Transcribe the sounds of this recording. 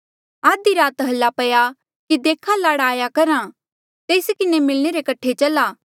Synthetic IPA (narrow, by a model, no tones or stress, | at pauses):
aːd̪iɾaːt̪ɦɐlːapɐja | kid̪eːkʰalaːɽaːjakɐɾã | t̪eːskɪnemɪlɽ̃eɾekɐʈʰet͡ʃɐlaː